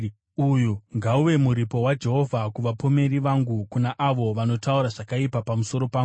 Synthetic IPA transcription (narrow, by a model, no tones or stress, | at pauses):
ujuŋɡauʋe̞muɾipo̞wad͡ʒe̞ɦo̞vʱakuʋapo̞me̞ɾiʋaŋɡukunaʔaʋo̞ʋano̞tauɾaʐakaipapamuso̞ɾo̞paːŋɡu